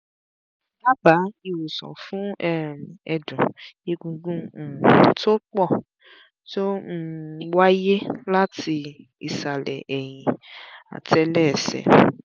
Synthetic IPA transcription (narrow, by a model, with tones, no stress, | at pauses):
ba˦ba˨˦i˧wu˨sɔ̰̃˨fũ˦ɛ˦˨ɛ˧dũ˨je˦˧ɡũ˧ɡũ˦˨to˦k͡pɔ˦˨ | to˦m̩˦wa˦je˦la˦ti˧ḭ˨sa˨lɛ̰˨ʔɛ˨j̃ĩ˨a̰˨ti˨ɛ˧lɛ˦˨sɛ̰˨